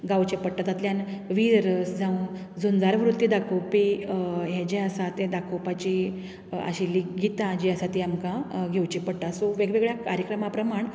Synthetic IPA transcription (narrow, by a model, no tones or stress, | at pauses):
ɡawt͡ɕepəɽʈ̪at̪at̪ljanʋiɾɾəsd͡zʱaũn | d͡zund͡zaɾʋɾut̪ːjid̪akʰowpijɛd͡ʑeəsat̪ẽd̪akʰowpat͡ɕi | ə̰ɕilːiɡit̪ãd͡ʑiəsat̪iamkãɡʱewt͡ɕepəɽʈasɔʋeɡʋeɡɭjakaɾjəkɾəmapɾəmaɳ